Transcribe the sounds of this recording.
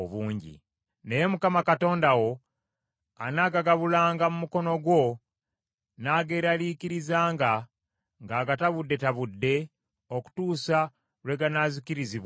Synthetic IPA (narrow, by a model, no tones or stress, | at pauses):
oβuːɲɟḭ | ne̞je̞mukamakato̞ːndawo̞ | anaːɡaɡaβulaːŋɡamumuko̞no̞ɡwo̞ | naːɡeːɾaliːciɾizaːŋɡa | ŋɡaːɡataβudːe̞taβudːe̞ | oku̥tuːsa | lwe̞ɡanaziciɾiziβa